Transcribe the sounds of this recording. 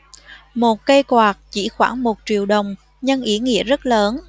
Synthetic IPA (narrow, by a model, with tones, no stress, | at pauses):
mo˨˩t̚kə˧jkwaː˨˩t̚t͡ɕi˧˩xwaː˧˩ŋmo˨˩t̚t͡ɕi˨˩əwɗə˨˩wŋ͡m | ɲə˧ŋʔi˨˦ŋḭ˧˥əzə˦˥t̚ləː˨˦n